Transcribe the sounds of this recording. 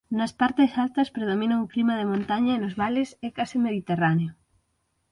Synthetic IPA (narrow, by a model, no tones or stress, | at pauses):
nɐspaɾt̪esalt̪ɐspɾeð̞omĩnaŋoklimɐð̞emõnt̪aɲɐenozβalɪsɛkasɪmeðit̪eraneo